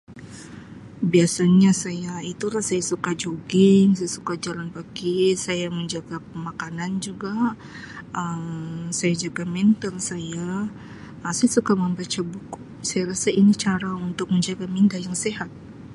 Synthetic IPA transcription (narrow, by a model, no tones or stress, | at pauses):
biasaɲasajait̪uɾahsajasukad͡ʒoɡɪŋsajasu̥kad͡ʒalanpakisajaməɲd͡ʒaɡapəmakanand͡ʒuɡa | ʔəmsajad͡ʒaɡamɛnt̪əlsaja | sajasukaməmbat͡ʃabuku | sajaɾasainit͡ʃaɾaunt̪ʊk̚məɲd͡ʒaɡamindahjaŋseɦat̪̚